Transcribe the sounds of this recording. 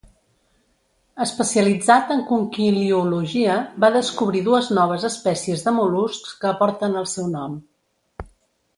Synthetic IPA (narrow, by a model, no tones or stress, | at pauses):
əspəsiəlid͡zat̪əŋkuŋkiliuluʒiəbaðəskuβ̞ɾiðuəznɔβ̞əzəspɛsiəzðəmuluskkəːpɔɾt̪ənəlˠsɛwnɔm